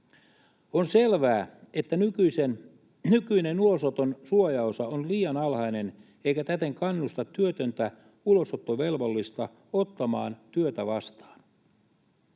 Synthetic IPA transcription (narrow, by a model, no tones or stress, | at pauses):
onselʋæːet̪ːænykyisen | nykyinenulo̞sot̪onsuojɑosɑonliːjɑnɑlhɑjne̞n | e̞jkæt̪æt̪eŋkɑnːust̪ɑt̪ːyøt̪ønt̪æ | ulo̞sot̪ːoʋe̞lʋo̞lːist̪ɑ | ot̪ːɑmɑːnt̪yøt̪æʋɑst̪ɑ̥ːn